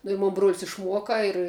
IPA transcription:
nʊ ɪ ˈmoːn bruɔlʲsʲ ɪʃˈmuɔkɐ ɪr

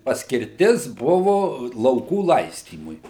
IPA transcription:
pɐsʲkʲɪrʲˈtʲɪs ˈbʊʋʊ lˠɐʊˈkuː ˈlˠɐɪsʲtʲiːmʊɪ

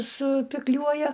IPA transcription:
sʊpʲɪkˈlʲuɔjɛ

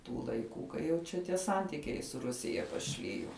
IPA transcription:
ˈtuː lˠɐɪˈkuː kɐɪ jɛʊ ˈt͡ʃʲɛ tʲiɛ ˈsɐnʲtʲɪkʲɛɪ sʊ ˈrʊsʲɪjɛ pɐˈʃʲlʲɪjoː

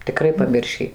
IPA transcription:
tʲɪˈkrɐɪ pɐˈmʲɪrʲʃʲiː

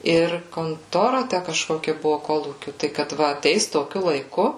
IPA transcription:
ˈɪr koːnˈtoːrɐ ˈtʲæ kɐʃkoːˈkʲɛ ˈbʊʋoː ˈkoːlˠuːkʲʊ ˈtɐɪ kɐt ˈʋɐ ɐˈtʲɛɪs toːˈkʲʊ lˠɐɪˈkʊ

